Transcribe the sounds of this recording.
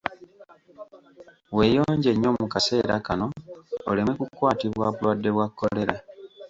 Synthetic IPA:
we̞jo̞ːɲɟe̞ɲːo̞ːmukase̞ːɾa̰kano̞̰ːlemekukwaːtiβwaβulwadːe̞βwakːole̞ɾa

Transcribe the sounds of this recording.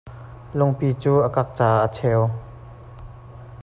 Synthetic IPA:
lʊŋpiːt͡suːʔəkak̚t͡saːʔət͡sʰɛw

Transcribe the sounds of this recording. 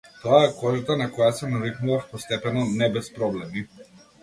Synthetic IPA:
t̪ɔaɛkɔʒat̪anakɔjasɛnaɾiknuvafpɔst̪ɛpɛnɔnɛbɛspɾɔblɛmi

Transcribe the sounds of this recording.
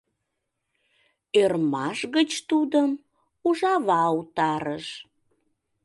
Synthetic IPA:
ørmɑʃɣət͡ɕt̪ud̪əm | uʒɑβɑut̪ɑɾəʃ

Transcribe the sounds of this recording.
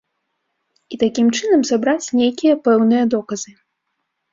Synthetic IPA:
it̪akʲimt͡ʂɨnɐmzabɾat͡sʲnʲejkʲijɐpɛwnɨjɐd̪ɔkɐzɨ

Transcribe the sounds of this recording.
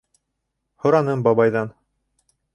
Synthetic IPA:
hŏɾɑnɤmbɑβɑjðɑn

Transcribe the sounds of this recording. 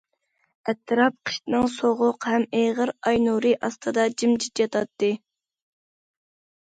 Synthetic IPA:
ɛt̪ʰːɨɾɑp̚qʰə̥ʃt̪ɨnɨŋsoʁʊqhɛmeʁəɾɑjnuɾɨʔɑst̪ʰɨd̪ɑd͡ʒimd͡ʒit̪jɑt̪ʰɑt̪ːɨ

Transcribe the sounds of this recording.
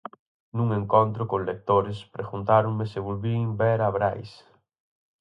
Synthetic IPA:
nũŋeŋkont̪ɾʊkolek̚t̪oɾɪspɾeɣunt̪aɾoŋmɪsɪβolβiŋbɛɾaβɾajs

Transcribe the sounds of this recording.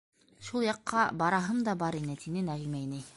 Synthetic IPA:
ʃulˠjɑqːɑbɑɾɑɦɤmd̪ɑbɑɾinɘt̪inɘnæʁimæjnɘj

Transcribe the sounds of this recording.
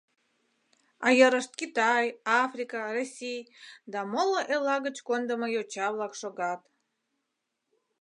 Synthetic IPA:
ɑjəɾəʃt̪̚kit̪ɑjɑfrikɑrosʲijd̪ɑmoloʔelɑɣət͡ɕkond̪əməjot͡ɕɑβlɑkʃoɣɑt̪

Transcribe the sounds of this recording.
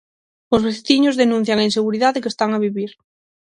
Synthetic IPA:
ozβeθθiɲozðenũn̟θjaŋainseɣuɾiðaðekest̪aŋaβiβiɾ

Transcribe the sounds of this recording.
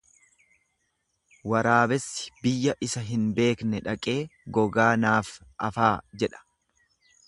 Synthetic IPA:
wɐɾaːbɛsːɪ̥bɪjːɐʔɪsɐɦɪnbe̞ːknɛᶑɐkʼe̞ːɡɔɡaːnaːfʔɐfaːd͡ʒɛᶑɐ̥

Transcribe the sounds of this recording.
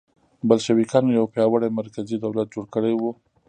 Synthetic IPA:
balʃawikɑnojawpjɑwaɽajmaɾkazid̪awlat̪̚d͡ʒoɽkəɽajwu

